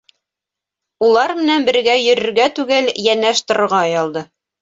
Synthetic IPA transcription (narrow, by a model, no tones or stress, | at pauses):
ulˠɑɾmɘ̆nænbɘ̆ɾɡæjɵ̆ɾɵ̆ɾɡæt̪ʉɡɘljænːæʃt̪ɤ̆ɾɤ̆ɾʁɑjɑlˠd̪ɤ